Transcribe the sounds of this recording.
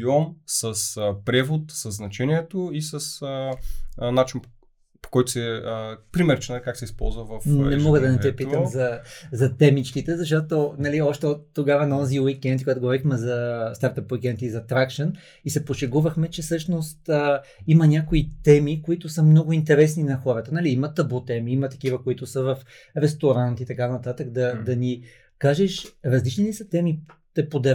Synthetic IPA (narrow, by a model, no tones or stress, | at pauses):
jɔmsəspɾɛvot̪səzːnɐt͡ʃɛniɛt̪oisəsə | nat͡ʃin | po̥kɔjt̪ʊ̥sɛəpɾimɛɾt͡ʃɛnalikaksɛispɔ̰lˠzvɐvɐfnnɛmɔɡəd̪ɐnɛt̪ɛpiəmzɐzɐt̪ɛmit͡ʃkit̪ɛzɐʃt̪ɔt̪onɐliɔʃt̪ɛot̪ːoɡavɐnɐɔziwikɛnt̪̚koɡat̪oɡovɔɾixmɛzɐst̪aɾt̪ɐpwikɛnt̪izɐt̪ɾakʃən | isɛpoʃɛɡuvəxmɛt͡ʃɛsɤʃnost̪ə | imɐnʲakoit̪ɛmikoit̪ʊsəmnɔɡʊint̪ɛɾɛs̬ninɐxɔɾət̪ənɐliimɐt̪ɐbut̪ɛmiimɐt̪ɐ̥k̟ivəkoit̪ʊsəvɐf | ɾɛst̪oɾant̪it̪ɐkanɐt̪at̪ək̚d̪ɐd̪ɐni | kaʒɛʃɾɐzlit͡ʃnilisət̪ɛmit̪ɛpod̪ɛ